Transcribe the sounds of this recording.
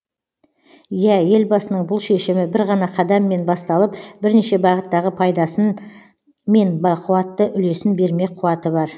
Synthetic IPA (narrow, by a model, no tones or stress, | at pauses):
jæje̞lbɑsənəɴbʊlˠʃe̞ʃɪmɪbɪɾʁɑnɑqʰɑd̪ɑmːe̞nbɑst̪ɑlˠəpbɪɾneʃe̞bɑʁət̪ːɑʁəpʰɑjd̪ɑsə | me̞nbɑqʰʊwɑt̪ːəʔʏle̞sɪnbe̞ɾme̞qʰʊɑt̪əbɑɾ